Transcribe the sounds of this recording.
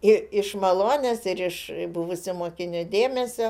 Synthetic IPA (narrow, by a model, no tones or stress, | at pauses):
ɪɪʃmɐlˠoːnʲesɪɾɪʃbʊʋʊsʲɪmoːkʲɪnʲʊd̪ʲeːmʲɛsʲo